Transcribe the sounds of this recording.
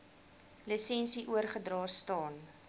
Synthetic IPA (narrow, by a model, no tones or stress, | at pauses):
lisɛnsiʔuərχədrɑːstɑːn